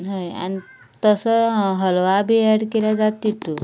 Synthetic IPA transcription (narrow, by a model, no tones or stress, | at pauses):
ɦəja̰ñi | t̪əsəɦəlʋabʱieɽkeljad͡zat̪ːit̪u